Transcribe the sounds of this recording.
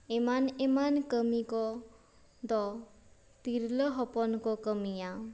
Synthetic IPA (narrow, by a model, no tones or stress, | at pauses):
emanemankəmikɔ | d̪ɔ | t̪iɾləɦɔpɔnkɔkəmijaw